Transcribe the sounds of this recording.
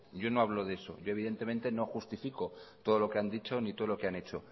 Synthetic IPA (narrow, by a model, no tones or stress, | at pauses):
ɟ͡ʝo̞no̞aβlo̞ðe̞so̞̰ʝo̞eβiðe̞nt̪e̞mẽnt̪e̞no̞xust̪ifiko̞t̪oð̞olo̞keand̪it͡ʃo̞nit̪o̞ð̞oo̞keane̞t͡ʃo̞